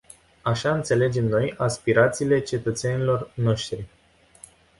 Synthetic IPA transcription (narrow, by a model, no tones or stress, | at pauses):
aʃaɨnt̪se̞le̞d͡ʒe̞mno̞jaspiɾat̪siːle̞t͡ʃe̞t̪ət̪se̞nilo̞rno̞ʃt̪ɾi